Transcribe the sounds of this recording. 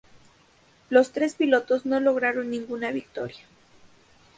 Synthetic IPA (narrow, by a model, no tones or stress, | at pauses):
lo̞st̪ɾe̞spilo̞t̪o̞zno̞lo̞ɣ̞ɾaɾo̞nːĩŋɡunaβik̚t̪o̞̰ɾjḁ